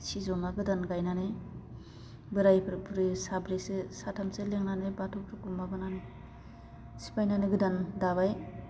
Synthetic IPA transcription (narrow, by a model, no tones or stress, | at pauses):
sizɔmaɡɯdanɡajnanɯ | bɯɾajpʰɯɾpɾisabɾesesatʰamseleŋnanɯbatʰɔpʰɾɯkumabɯnanɯ | si̥pajnanɯɡɯdandaβaj